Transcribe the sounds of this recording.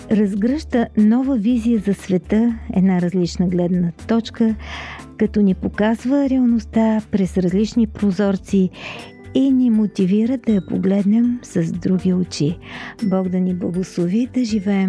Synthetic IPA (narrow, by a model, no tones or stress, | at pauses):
ɾɐzɡɾəʃt̪ənɔvəvizijəzɐsvɛt̪əɛ̰d̪naɾɐzlit͡ʃnəɡlɛd̪nət̪ɔt͡ʃkəkɐt̪ɔnipokazvəɾɛəlˠnost̪apɾɛsɾɐzlit͡ʃnipɾozɔɾt̪si | inimot̪iviɾəd̪ɐjɐpo̰ɡlɛd̪nɛmsɐzd̪ɾuɡ̟ʲiʊt͡ʃibɔɡd̪ɐniblˠəɡoslˠovid̪ɐʒivɛɛm